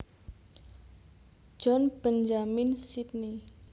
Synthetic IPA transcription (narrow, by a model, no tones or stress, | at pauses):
d͡ʒ̥ɔnb̥ənd͡ʒaminsit̪̚ni